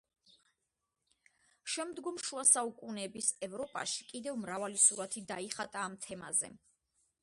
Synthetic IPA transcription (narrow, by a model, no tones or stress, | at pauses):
ʃɛmd̪ɡɔmʃuasaukʼunɛbisɛvɾɔpʼa̰ʃi̥kʼid̪ɛvmɾavalisuɾat̪ʰid̪aiχat̪ʼaːmt̪ʰɛma̰zɛ̰